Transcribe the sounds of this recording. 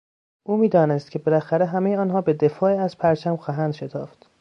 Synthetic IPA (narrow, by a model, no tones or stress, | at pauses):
ʔuːmiːd̪ɒːnest̪cʰe̞belæxæɾeɦæmejeɒːnhɒːbed̪e̞fɒːiæz̥pʰæɾt͡ʃʰæmxɒːɦænd̪ʃe̞t̪ʰɒːft̪